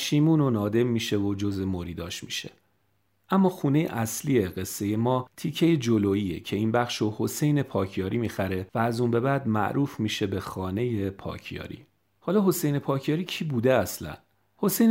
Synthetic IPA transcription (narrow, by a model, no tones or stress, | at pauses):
ʃiːmuːnonɒːd̪e̞mːiːʃe̞vod͡ʒozemoɾiːd̪ɒːʃmiʃe̞̰ | ʔæmːɒːxuːne̞jḛʔæslieɢe̞sːe̞je̞mɒːt̪ʰiːcʰe̞jed͡ʒoloːiːecʰe̞iːnbæχʃoho̞se̞jne̞pʰɒːcʰjɒːɾiːmiːxæɾe̞væːzuːnbe̞bæd̪mæ̰ʔɾuːfmiːʃe̞be̞xɒːne̞je̞pʰɒ̰ːcʰjɒ̰ːɾḭː | hɒːlɒːɦo̞sejne̞pʰɒːcʰjɒːɾiːcʰiːbuːd̪e̞æslæ̰n | ho̞sejn